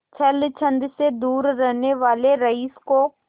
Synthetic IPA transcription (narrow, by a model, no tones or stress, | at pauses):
t͡ʃʰɐlt͡ʃʰə̃nd̪sed̪uːɾːɛɦneʋaːleɾɐisko